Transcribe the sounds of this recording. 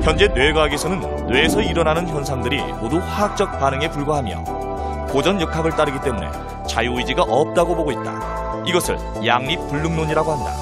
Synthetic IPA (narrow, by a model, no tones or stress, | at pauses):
çjʌnd͡ʑe̞nwe̞ɡwaɡesʰʌnɯnːwe̞ːsʰʌiɾʌnanɯnçʌnsʰaŋdɯɾḭmoduɸaak̚t͡ɕ͈ʌk̚p͈anɯŋe̞puɭɡaɦamjʌ̰ | kod͡ʑʌnjʌkʰaɡɯɭt͈aɾɯɡit͈e̞mune̞̰ | t͡ɕajuid͡ʑiɡaʔʌp̚t͈aɡoboɡoit̚t͈a̰ | iɡʌsʰɯ̰ɭ | jaŋɲip̚p͈ːuɭːɯŋnoɲiɾaɡoɦanda̰